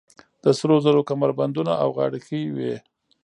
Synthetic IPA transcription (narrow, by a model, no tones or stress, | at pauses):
d̪̥əsɾozəɾokamaɾband̪unaawɣɑ̰ɽəxəwe